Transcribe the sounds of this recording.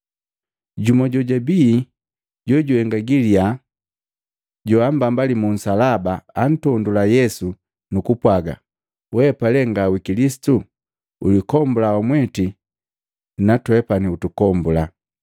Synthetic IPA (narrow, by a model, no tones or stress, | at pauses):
ɟumɔɟɔɟabi | ɟɔɟuhɛŋɡaɡilia | ɟɔambambalimun̩salabaan̩tɔndulajɛsu | nukupwaɡa̰ | wɛpalɛŋɡawikilisi̥tu | ṵlikɔmbulaɔmwɛti | natwɛpaniutukɔmbula